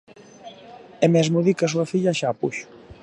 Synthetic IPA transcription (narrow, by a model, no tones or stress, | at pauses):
ɛmɛzmuðikasuafiʎaʃaːpuʃʊ̥